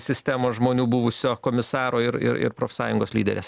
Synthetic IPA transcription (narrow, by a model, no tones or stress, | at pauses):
sʲɪsʲt̪ʲæmoːsʒmoːnʲuːbʊʋʊsʲoːkoːmʲɪsɑːɾoːɪɾɪ̰ɾɪ̰ɾpɾoːfʲsɑ̰ːjʊŋɡoːslʲiːd̪ʲɛ̰ɾʲɛs